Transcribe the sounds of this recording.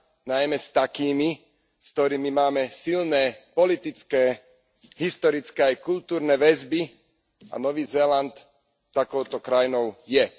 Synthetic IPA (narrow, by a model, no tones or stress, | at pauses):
najmɛst̪akiːmi | skt̪ɔɾiːmimaːmɛsilnɛːpɔlit̪it͡skɛː | ɦist̪ɔɾit͡skɛːajkult̪uːɾnɛʋɛzbi | a̰nɔʋiːzɛːlant̪ː | akɔʊt̪ɔkɾajnɔʊjɛ